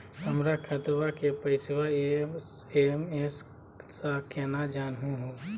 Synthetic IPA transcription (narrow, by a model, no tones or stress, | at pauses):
həmɾakʰət̪ɾʋakepəɪswae | emes | sakɛːnad͡ʒaːnɦũɦõː